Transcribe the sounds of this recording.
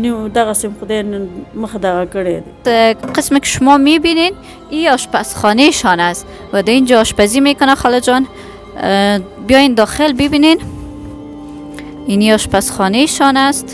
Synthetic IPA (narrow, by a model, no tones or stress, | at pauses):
nid̪aɣasemqd̪enməxd̪aɣakəɽed̪ | qɪsmɪkɪ̥ʃʊmɔmebinen | iɔʃpasχɔneʃɔnast̪ | wad̪aind͡ʒaɔʃpazimekʊnaχɔlɪd͡ʒɔn | bijɔjend̪ɔxelbɪbinen | iniɔʃpasχɔneʃɔnast̪